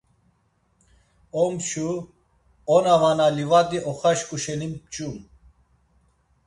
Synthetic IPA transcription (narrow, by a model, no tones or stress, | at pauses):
ɔmt͡ʃʰu | ɔnavanalivat̪ʼiʔɔχaʃkʼuʃɛnimpt͡ʃʼum